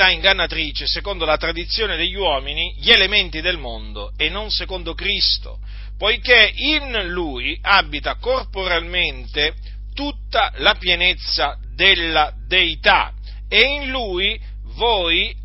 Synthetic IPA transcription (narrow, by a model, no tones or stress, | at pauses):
aiŋɡanːat̪ɾiːt͡ʃesekon̪d̪olat̪ɾad̪it̪sːjoːned̪eʎːwɔːminiʎelement̪id̪elmond̪oenːɔ̃nsekond̪okɾist̪o̰ | pɔjkeinluiabːit̪akorpoɾalment̪e | t̪ut̪ːalapjenet̪sːa | d̪elːa | d̪eit̪a̰ | einluːi | vɔːi